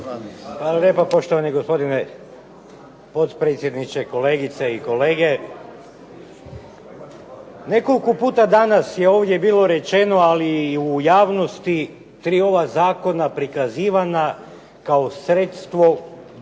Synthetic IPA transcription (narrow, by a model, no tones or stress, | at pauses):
xʋaːlˠalʲje̞papo̞ʃt̪oʋaniɡo̞spo̞d̪ine | po̞t̪pɾe̞t̪sje̞d̪nit͡ʃeko̞leːɡit̪seiko̞le̞ːɡe | ne̞ko̞likopuːt̪ad̪anasje̞oːʋd̪jebiːlˠo̞ɾe̞t͡ʃe̞no̞aliujaːʋno̞st̪i | t̪ɾiːo̞ʋazaːko̞napɾikaziːʋana | kaosɾet̪st̪ʋo̞